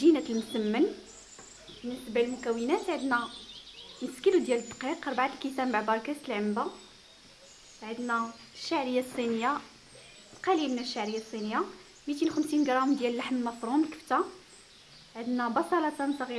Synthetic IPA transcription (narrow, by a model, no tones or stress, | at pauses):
ʒinæt̪əlmʊsəmːən | bənːəsbælmʊkæwənæt̪ʕəd̪næ | nəskəlud̪jæləd̪ːqiqɑɾˤbʕat̪əlkit̪æmbaʕbɑɾˤkæst̪əlʕəmba | ʕəd̪næ | ʃːaʕɾəjːasˤːinəjːa | t̪qælimnəʃːaʕɾəjːasˤːinəjːa | mit̪inuxəmsinɡɾˤɑmd̪jæləlːaħməlmɑfɾˤumlkə̥ft̪a | ʕəd̪næbɑsˤɑlɑt̪ɑnsˤɣi